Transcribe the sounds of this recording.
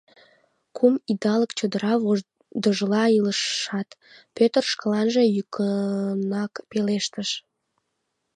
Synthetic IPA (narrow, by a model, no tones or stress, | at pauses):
kʰumid̪ɑləkt͡ɕod̪əɾɑβo | d̪əʒəlɑiləʃːɑt̪ | pøt̪ərʃkəlɑnʒejykənɑkpeleʃt̪əʃ